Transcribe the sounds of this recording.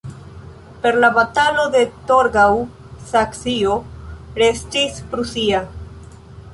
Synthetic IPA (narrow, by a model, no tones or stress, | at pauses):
pe̞ɾlaβat̪alod̪e̞t̪oɾɡaw | saksioɾestispɾusia